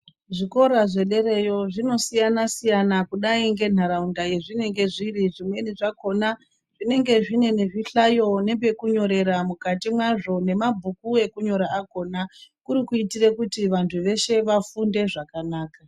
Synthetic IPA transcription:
ʐiko̞ɾaʐe̞ɗe̞ɾe̞jo̞ʐino̞sijanasijanakuɗaiŋɡe̞n̤aɾaundaje̞ʐine̞ŋɡe̞ʐiriʐimwe̞niʐako̞na | ʐ̥ine̞ŋɡe̞ʐine̞ne̞ʐiɬajo̞ne̞pe̞kuɲo̞ɾe̞ɾamukatimwaʐo̞ne̞mabʱukue̞kuɲo̞ɾaːko̞ːnakuɾikuitirekutiʋantʰuʋe̞ʃe̞ʋafunde̞ʐakanaːka

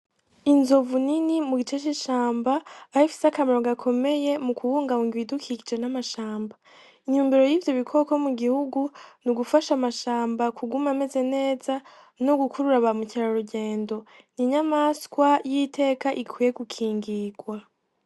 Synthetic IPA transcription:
inzo̞vuninimuɡit͡ʃet͡ʃiʃaːmbaːifi̥seakameɾoɡakʰo̞me̞je̞mukuwuːŋɡaβuŋɡiidukʰikid͡ʒenamaʃaːmba | iɲuːmbiɾo̞jivjo̞βikʰo̞ko̞muɡihuɡunuɡufaʃamaʃaːmbakʰuɡumame̞ze̞ne̞ːza | noɡukuɾuɾaβamuciɾaɾuɟe̞ːndo̞ | niɲamaskwajitʰe̞ːkaʔikʰwiːje̞ɡukʰiːŋɡiɡ̥wa

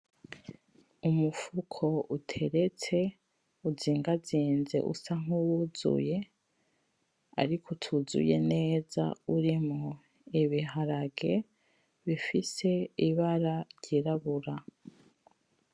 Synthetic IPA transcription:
umufukʰo̞utʰe̞ɾe̞t͡se̞ | uziːŋɡaziːnze̞̰ʔṵsaŋ̥uwuzṵje̞ | a̰ɾikʰotʰuzṵje̞̰ne̞ːza̰uɾimo | iβiɦaɾaɡe̞ | βifise̞iβaɾaɾɟiɾaβuɾa

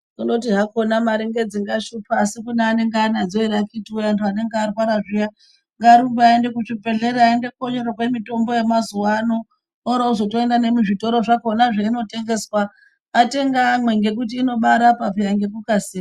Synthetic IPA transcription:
uno̞tiɦako̞namaɾiŋɡe̞d͡ziŋɡaʃupaːsikuneːne̞ŋɡeanad͡zo̞iɾakitiujantʰuane̞ŋɡearwaɾaʐija | ŋɡaɾumbeaende̞kut͡ʂipe̞ɮe̞ɾaende̞koɲeɾokwe̞mito̞mbo̞je̞mazuwano̞ | oɾauzo̞toe̞ndane̞muʐito̞ɾo̞ʐakonaʐaino̞te̞ŋɡe̞swaː | te̞ŋɡamwe̞ŋɡe̞k̬utiːno̞ɓaɾapapijaŋɡe̞k̬ukaseːa

